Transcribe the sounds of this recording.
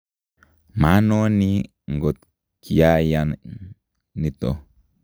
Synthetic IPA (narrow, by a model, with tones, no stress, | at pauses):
ma˨˦nõ˦ni˦ | ŋ˨ɡo˨t̪̚ | kja˦ja˧ | nĩ˧t̪o̰˨